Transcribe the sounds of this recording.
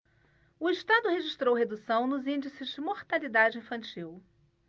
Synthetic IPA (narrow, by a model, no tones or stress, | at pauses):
ʊɪʃt̪ad̪ʊɦeʒiʃt̪ɾowɦed̪usɐ̃w̃nʊzĩnd͡ʒisɪzd͡ʒɪmoɾt̪alid̪ad͡ʒɪĩfɐ̃nt͡ʃiw